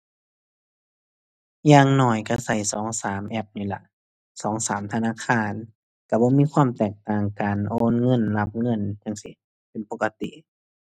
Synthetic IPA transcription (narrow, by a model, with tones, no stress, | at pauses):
jaː˧ŋnɔː˧˩jka˧˩sa˧˩jsɔː˩˦ŋsaː˨˦mʔɛ˧˩p̚niː˧˩˨la̰˧˩ʔ | sɔː˨˦ŋsaː˨˦mt̪ʰa˧naː˧˥˨xʰaː˧˩˨n | ka˧˩bɔː˧˦˨miː˧˥˨kʰwaː˧˥˨mt̪ɛː˧˩k̚t̪aː˧˩ŋkaː˨˩nʔoː˧˥˨nŋɤ˧˥˨nla˧p̚ŋɤ˧˥˨nɲa˧˨ŋsi˧˨ | pe˨npo˧˥kːa˧t̪ḭ˧˨ʔ